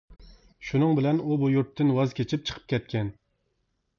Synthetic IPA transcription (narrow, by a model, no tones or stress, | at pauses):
ʃunɨŋbɪlɛnubujuɾt̪ʰːɪnwɑzkʲʰet͡ʃʰip̚t͡ʃʰə̥qʰə̥p̚kʲʰɛt̪̚kʲʰɛn